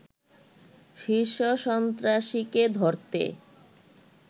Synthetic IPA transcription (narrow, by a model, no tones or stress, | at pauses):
ʃiʃoʃɔnt̪ɾaʃiked̪ʱoɾt̪ḛ